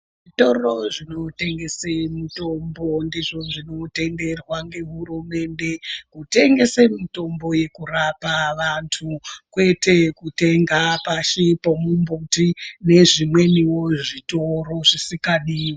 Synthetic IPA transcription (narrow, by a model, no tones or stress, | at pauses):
ʐito̞ro̞ʐino̞te̞ŋɡe̞semitombondiʐo̞ʐino̞te̞nde̞rwaŋɡe̞ɦurume̞nde̞kute̞ŋɡe̞semito̞mbo̞je̞kurapaʋantʰukwe̞te̞kuteŋɡapaʃipomumbutine̞ʐimwe̞niwoʐitoro̞ʐisikaɗiːw